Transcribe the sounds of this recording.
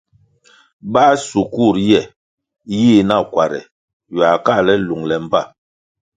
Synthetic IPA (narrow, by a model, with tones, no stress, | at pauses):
ɓa˦su˨ku˦˨ɾjɛ˦˨ | jiː˦˨na˦˨kwa˨ɾɛ̰˨ | ja˨ka˦˨lɛ˦lu˨ŋlɛ˨m̩˦ba˦˨